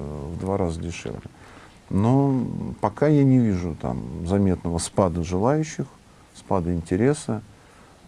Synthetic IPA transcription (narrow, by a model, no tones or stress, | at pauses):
vd̪vaɾazədʲɪʂɛ̰vlʲɪ̰ | nopɐkajanʲɪvʲiʐʊt̪a̰mzɐmʲe̞t̪nəvəspad̪əʐɨlˠajʉɕːɪx | spad̪əɪnʲtʲɪɾʲe̞sə